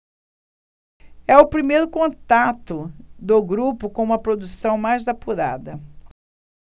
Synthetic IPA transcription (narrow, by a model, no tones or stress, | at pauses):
ɛʊpɾimejɾʊkõt̪at̪ʊd̪ʊɡɾupʊkõũmɐpɾod̪usɐ̃w̃majzd̪apuɾa̰d̪ɐ